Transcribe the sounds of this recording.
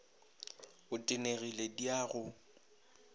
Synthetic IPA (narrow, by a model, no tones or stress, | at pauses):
ʊtʼɪneɣilediaːɣʊ